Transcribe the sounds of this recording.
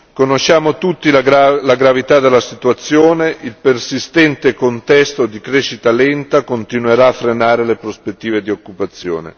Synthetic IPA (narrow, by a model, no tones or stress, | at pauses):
konoʃːaːmot̪ut̪ːilɡalaɡɾavit̪ad̪elːasit̪uat̪sːjoːneʔilpersist̪ɛnt̪ekont̪ɛst̪od̪ikɾeːʃit̪alɛnt̪akont̪inweɾaːfːɾenaːɾelepɾospet̪ːiːved̪iokːupat̪sːjo̰ːnḛ